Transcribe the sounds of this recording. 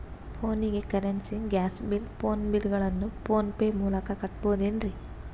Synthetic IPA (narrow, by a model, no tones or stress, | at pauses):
pʰoːniɡe̞kɐɾensiŋɡʲaːsbilpo̞ːnbilɡɐɭɐnːupoːnpeːmuːlɐkɐkɐʈboːd̪enɾi